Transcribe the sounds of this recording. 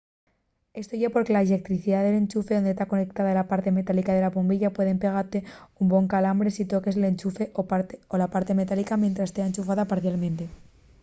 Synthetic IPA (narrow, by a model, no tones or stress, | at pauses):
e̞st̪o̞ʝepo̞ɾke̞laele̞k̚t̪ɾiθiðaðe̞le̞nt͡ʃufeðo̞nd̪est̪ako̞nek̚t̪aðalapaɾt̪e̞me̞t̪alikaðe̞lapombiʎapwe̞ð̞e̞mpe̞ɣ̞aɾt̪e̞umbo̞ŋkalambɾe̞sit̪o̞ke̞sele̞nt͡ʃufe̞ʔoaolapaɾt̪e̞me̞t̪alikamjent̪ɾast̪e̞aent͡ʃufaðapaɾθjalmẽ̞nt̪e̞